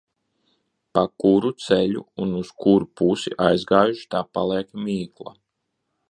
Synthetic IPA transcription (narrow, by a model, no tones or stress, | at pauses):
pakuɾut̪sɛlṵunuskuɾupusḭʔajzɡaːjuʃi̥t̪aːpalˠɛːkmʲiːklˠa̰